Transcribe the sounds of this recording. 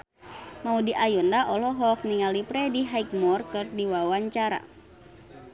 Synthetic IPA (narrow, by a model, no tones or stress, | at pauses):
maudiʔajɔndaʔɔlɔɦɔk̚niŋalipɾɛdiɦaik̚mɔrkɨrdiwawaɲt͡ʃaɾa̰